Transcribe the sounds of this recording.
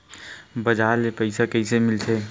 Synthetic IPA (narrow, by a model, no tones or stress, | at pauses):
bɐd͡ʒaːlepəɪsakɐɪsemɪlt̪ʰeː